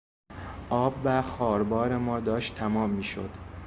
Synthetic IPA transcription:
ʔɒːbvæxɒːɾbɒːɾemɒːd̪ɒːʃt̪ʰæmɒːmːiːʃo̰d̪̥

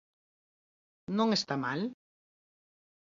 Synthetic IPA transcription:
nõŋest̪amal

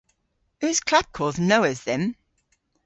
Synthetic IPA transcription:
hʉːz̥kʰl̥ad̚kʰɔːlˠznoʊəzðə̃m

